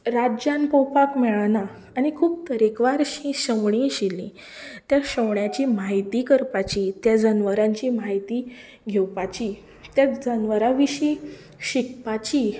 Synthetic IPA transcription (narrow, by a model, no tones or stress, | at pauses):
ɾad͡ʑjãnpəwpakmɛɭanaː | ñikʰuːpt̪əɾekʋaɾɕĩɕəmɭĩɕilːĩ | t̪jaɕəwɳjat͡ɕimaɦit̪ikəɾpat͡ɕiːt̪jad͡zənʋəɾãɲt͡ɕimaɦit̪i | ɡʱewpat͡ɕi | t̪jad͡zənʋəɾaʋiɕi | ɕikpat͡ɕi